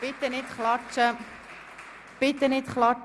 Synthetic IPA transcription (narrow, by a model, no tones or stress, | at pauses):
ɪt̪ənit̪χlɑt͡ʃə | b̥ɪt̪ənit̪χlɑt͡ʃ